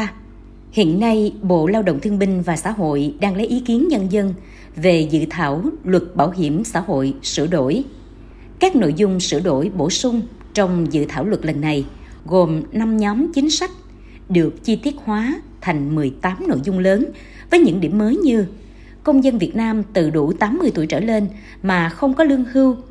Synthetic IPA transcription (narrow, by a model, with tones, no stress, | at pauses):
hḭ˧˨ənːa˧jɓo̰˧˨laː˧wɗə̰˧˨wŋ͡mt̪ʰəŋɓï˧ŋ̟vaː˨˩sa̰ː˧˥ɦo̰˧˨jɗaː˧ŋlə˨˦jʔi˨˦ki˨˦ənɲə˧nzə˧n | ve˨˩zɨ̰˧˨t̪ʰaː˧˩wlwə˨˩t̚ɓaː˧˩wɦi˧˩əmsa̰ː˧˥ho̰˧˨jsɨ̰˧˩əɗo˧˩˨j | kaː˦˥k̚no̰˧˨jzʊ˧ŋ͡msɨ̰˧˩əɗo˧˩jɓo˧˩sʊ˧ŋ͡m | t͡ɕɔ˧wŋ͡mzɨ̰˧˨t̪ʰaː˧˩wlwə˨˩t̚lə˨˩nːa˨˩j | ɣo˨˩mna˧mɲɔ˨˦mt͡ɕï˨˦ŋ̟sa˦˥jk̟̚ | ɗɨ˨˩ək̚t͡ɕi˧t̪i˦˥ət̚hwaː˨˦t̪ʰa˨˩jŋ̟mɨ˨˩əjt̪aː˨˦mno̰˧˨jzʊ˧ŋ͡mləː˨˦n | vəː˨˦jɲɨ̰˧˥ŋɗḭ˧˩əmːəː˨˦jɲɨ˧ | kə˧wŋ͡mzə˧nvi˨˩ət̚naː˧mt̪ɨ̰˧˨ɗu˧˩t̪aː˨˦mːɨ˧əjt̪u˧˩əjt͡ɕə̰ː˧˩le˧n | maː˨˩xə˧wŋ͡mkɔ˨˦lɨ˧əŋhɨ˧w